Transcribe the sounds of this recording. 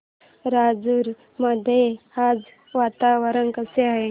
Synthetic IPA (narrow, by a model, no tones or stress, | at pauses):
ɾad͡zuɾ | məd̪ʱjead͡z | ʋat̪aʋəɾənkəseaɦe